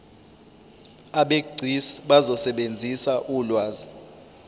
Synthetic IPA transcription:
aɓeɡ͡ǀʱisɓazɔsɛɓend͡zʱisaʔuːlwaːzi

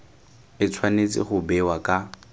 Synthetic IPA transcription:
ɪt͡sʰwanet͡sʼɪ̰χʊbɛwakʼa

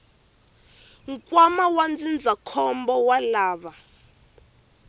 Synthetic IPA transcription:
ŋ̩kʼwamawand͡zind͡zʱakʰɔmbɔwalaːβa

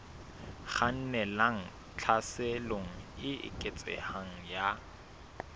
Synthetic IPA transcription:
χan̩nɛlaŋ̩ | t͡ɬʰasɛloŋ̩ɪɪ̰kʼet͡sʼɛ̰haŋ̩ja

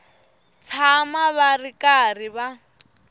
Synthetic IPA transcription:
t͡sʰamaβarikariβa

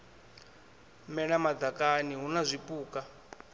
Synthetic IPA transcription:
mɛnamad̪d͡zakaniɦunazʷipuːka

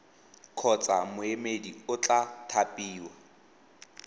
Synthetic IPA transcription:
kʰɔt͡sʼa̰mʊemediʊt͡ɬʼatʰapʼiːwa

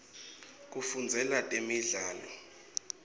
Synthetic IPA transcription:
k̬ʼufund͡zʱɛlatʼemiɮaːlɔ

